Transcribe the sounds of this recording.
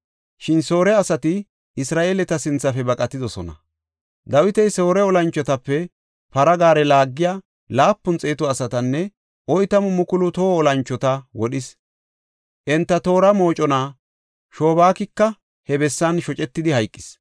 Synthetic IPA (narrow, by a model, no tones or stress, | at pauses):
ʃɪnso̞ːɾɛɐsɐt̪ɪ | ʔɪsɾaːʔeːlɛt̪ɐsɪnt͡sːɐfɛbɐkʼɐt̪ːɪd̪ɔsɔ̰nɐ̰ | d̪ɐwɪt̪ɛjso̞ːɾɛɔlɐnt͡ʃːɔt̪ɐpːɛ | pɐɾɐɡaːɾɛlaːɡːɪjaː | laːpːʊnt͡sʼe̞ːt̪ʊɐsɐt̪ɐnːɛ | ʔɔjt̪ɐmʊmʊkʊlʊt̪oːɔlɐnt͡ʃːɔt̪ɐwɔɗɪs | ʔɛnt̪ːɐt̪o̞ːɾɐmo̞ːt͡ʃʼɔnaː | ʃo̞ːbaːkɪkːɐ | hɛbɛsːɐnʃɔt͡ʃʼɛt̪ːɪd̪ɪhɐjkʼːɪ̥s